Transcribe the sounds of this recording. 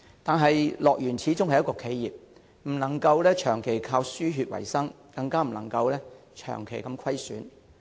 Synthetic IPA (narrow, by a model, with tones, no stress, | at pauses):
t̪aː˨nɦɐ˨jlɔː˨k̚jyː˨˩nt͡sʰiː˨˧˥t͡sʊ˥ŋhɐ˨jːɐ˥kɔː˧kʰe˨˧jjiː˨p̚ | m̩˨˩nɐ˨˩ŋkɐ˧wlɛː˥t͡ʃʰœː˨˩ŋkʰe˨˩jkʰaː˧wsyː˥ɦyː˧t̚wɐ̰˨˩jsɐ˥ŋ | kɐ˧ŋkaː˥m̩˨˩nɐ˨˩ŋkɐ˧wlɛː˥ | t͡ʃʰœ̰ː˨˩ŋkʰe˨˩jkɐ˧mkʰɐ˥jsyː˨˥n